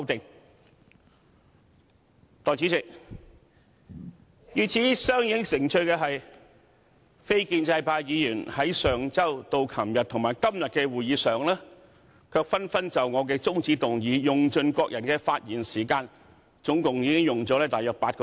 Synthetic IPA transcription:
wt̪ɪ˨ŋ | t̪ɔː˨˩jt͡siː˨˥t͡sɪ˨k̚ | jyː˨˧t͡sʰiː˨˥sœː˥ŋjiː˧kɪ˥ŋsɪ˨˩ŋt͡ʃʰɵ˧ɥkɛː˧ɦɐ˨j | fe˥jkiː˧nt͡sɐ˧jpʰaː˧jjiː˨˧jyː˨˩nhɐ˨˥jsœː˨˩ŋt͡sɐ˥wt̪o˧wkʰɐ˨˩mjɐ˨t̪̚ʰʊ˨˩ŋmaː˨˩jkɐ˥mjɐ˨t̚kɛː˧wuː˨jiː˨˧˥sœː˨˩ŋlɛː˥ | kʰœː˧k̚fɐ˥nfɐ˥nt͡sɐ˨˩wŋɔː˨˧k̬ɛː˧t͡sʊ˥ŋt͡siː˧t̪ʊ˨ŋjiː˨˧jʊ˨ŋt͡ʃɵ˧nkɔː˧k̚jɐ˨˩nkɛː˧faː˧t̚jiː˨˩nsiː˨˩kaː˧n | t͡sʊ˨˥ŋkʊ˨ŋjiː˨˧kɪ˥ŋjʊ˨ŋt͡sɔː˨˥lɛː˥t̪aː˨jœː˧k̚paː˧t̚kɔː˧

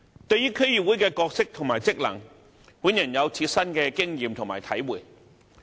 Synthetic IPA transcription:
t̪ɵ˧ɥjyː˥kʰɵ˥ɥjɥyː˨˩wu˨˥jkɛː˧kɔː˧k̚sɪ˥k̚t̪ʰʊ˨˩ŋmaː˨˩jt͡sɪ˥k̚lɐ̰˨˩ŋ | wuː˨˥njɐ˨˩njɐ˨˧wt͡sʰiː˧t̚sɐ˥nkɛː˧kɪ˥ŋjiː˨˧mt̪ʰʊ˨˩ŋmaː˨˩jt̪ʰɐ˨˥jwuː˨˩j

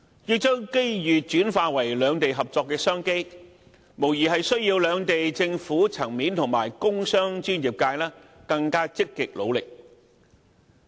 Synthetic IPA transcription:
jiː˧t͡sɵ˥wke˥jjyː˨t͡ʃyː˨˥nfaː˧wɐ˨˩jlœː˨˧ŋt̪e˨jɦɐ˨p̚t͡sɔː˧kːɛː˧sœː˥ŋke˥j | mo˨˩wjiː˨˩ɦɐ˨jsɵ˥ɥjiː˧wlœː˨˧ŋt̪e˨jt͡sɪ˧ŋfuː˨˥t͡sʰɐ˨˩ŋmiː˨˥nt̪ʰʊ˨˩ŋmaː˨˩jkʊ˥ŋsœː˥ŋt͡ʃyː˥njiː˨˩p̚kaː˧jlaː˥kɐ˧ŋkaː˥t͡sɪ˥kːɪ˨k̚lo̰˨˧wlɪ˨k̚

